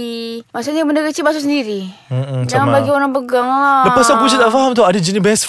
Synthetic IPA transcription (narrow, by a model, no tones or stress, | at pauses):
imasaɲaməndəɡət͡ʃibas̬usəndiɾid͡ʒaŋanbaɡioɾaŋpəɡaŋdpasaɡud͡ʒit̪alfaɦamt̪oadid͡ʒinibas